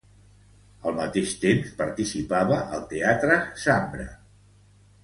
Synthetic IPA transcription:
əlˠmət̪eʃt̪emspəɾt̪isipaβəʔəlˠt̪eat̪ɾəsambɾə̰

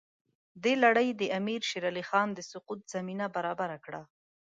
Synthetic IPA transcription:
d̪elaɽəjd̪əamiɾʃiɾalixɑnd̪əsʊqut̪z̥aminabaɾɑbaɾakɽa

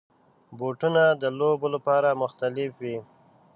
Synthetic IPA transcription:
boʈunad̪əlobolapɑɾamʊxt̪alɪfwi

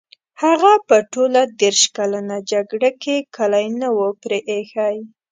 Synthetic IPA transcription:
haɣapəʈolad̪eɾʃkalanad͡ʒaɡɽakekalajnawəpɾeʔexaj

